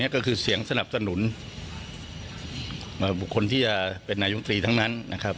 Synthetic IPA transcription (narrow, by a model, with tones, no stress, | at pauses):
ni˦˥ɐkɔː˥˩kʰɯː˧si˩˦əŋsa˧na˨˩p̚sa˧nu˩˦n | ʔəː˨˧˩bu˨˩kʰːo˧nt̪ʰiː˥˩t͡ɕa˨˩pe˧nːaː˧jo˦˥t̪ɾiː˧t̪ʰa˦˥ŋna˦˥nːa˦˥kʰa˦˥p̚